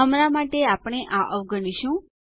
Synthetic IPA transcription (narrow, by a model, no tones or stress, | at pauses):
əmɾamaʈeapɽ̃eʔãʔəʋɡəniʃũ